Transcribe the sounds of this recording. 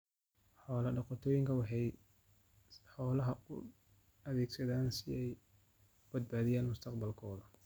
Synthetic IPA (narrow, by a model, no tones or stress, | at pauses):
ħɔːlɐɖɑqɔt̪ʰɔːjɪŋkʰɐwɑħɑj | ħɔːlɐɦɐʊ | ɐðɛːɡsɐðaːnsɪɛj | bɐd̪̚baːðɪjaːnmʊst̪ʰɐqbɐlkʰɔːðɐ